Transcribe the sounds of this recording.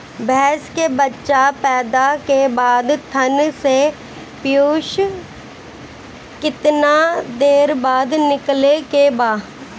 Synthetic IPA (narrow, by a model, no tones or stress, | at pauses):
bʱɛːskebətːʃapɛːd̪akebaːd̪t̪ʰənse | pɪjoːʃ | kɪt̪nad̪eːɾbaːd̪nɪklekebaː